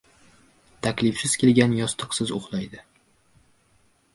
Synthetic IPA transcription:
t̪ʰakʲlɪfsɪz̥kʲʰe̞lɡʲanjɒst̪ʰɨ̥qsɪzoχlˠajd̪ɪ

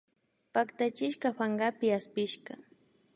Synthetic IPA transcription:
pakt̪at͡ʃɪʃkɑɸaɴɢapɪaspɪʃɢɑ

